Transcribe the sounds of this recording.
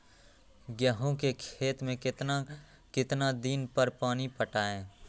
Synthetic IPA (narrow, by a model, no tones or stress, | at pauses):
ɡjaːɦõkekʰeːt̪mẽkt̪a | kɪt̪nad̪iːnpəɾpaːnipəʈaːẽː